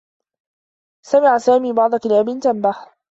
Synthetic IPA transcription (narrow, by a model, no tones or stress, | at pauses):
samɪʕasaːmiːbɑʕd̪ˤɑkɪlaːbɪnt̪ambaħ